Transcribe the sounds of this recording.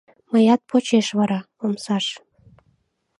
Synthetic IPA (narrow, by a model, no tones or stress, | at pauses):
məjɑt̪̚pʰot͡ɕeʃβɑɾɑ | omsɑʃ